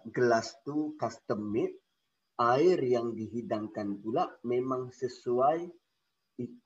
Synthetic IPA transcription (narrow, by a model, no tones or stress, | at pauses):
ɡəlast̪ukast̪əmɪt̪̚ | aɪrjaŋdiɦidaŋkanpulaʔmemaŋsəsuaj | i